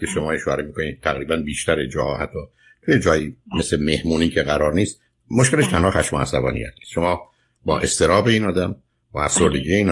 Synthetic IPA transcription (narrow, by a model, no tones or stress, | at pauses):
cʰeʃomɒːjeʃoæɾemiːkʰoniːt̪ʰæɣɾiːbænbiːʃt̪ʰæɾed͡ʒɒːhɒːhæt̪ʰːɒː | t̪ʰujed͡ʒɒːjimesleme̞hmuːniːcʰe̞ɣæɾɒːɾniːst̪̚ | moʃkele̞ʃt̪ʰænhːxæʃmoæ̰sæbɒ̰ːnḭjæ̰t̪ʰnisʃo̞mɒː | bɒ̰ːʔe̞st̪e̞ɾɒːbe̞iːnɒːd̪æm | bɒæfsoɾd̪e̞ɟiːeiːn